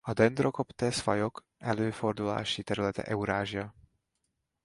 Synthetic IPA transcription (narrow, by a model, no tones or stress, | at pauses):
ad̪ɛnd̪ɾɔkɔpt̪ɛsfa̰jɔk | ɛløfɔɾd̪ula̰ːʃit̪ɛɾulɛt̪ɛ̰ʔɛwɾaːʒia